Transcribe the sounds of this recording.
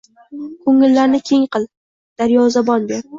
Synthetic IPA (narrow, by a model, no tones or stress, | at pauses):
kʰɵŋɪlːaɾnɪkʲʰe̞ŋqɨlˠ | d̪̥aɾjɒzabɒnbeɾ